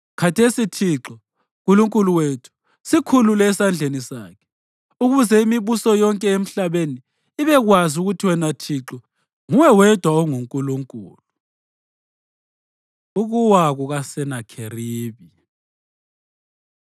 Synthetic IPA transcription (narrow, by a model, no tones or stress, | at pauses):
kʰatʰesitʰiǁɔ | ɣuluŋkʼuluwetʰu̥ | sikʰululɛsand͡ɮʱenisa̰ːkʰɛ̥ | uɣuzɛimiβusɔjɔŋkʼɛem̩ɬaβeniː | βɛɣwazuɣutʰiwɛnatʰiǁɔ | ŋuwɛwɛd̥ʱwaɔŋuŋkʼuluŋkʼṵːlu | uɣuwaɣuɣasɛnakʰeriːβi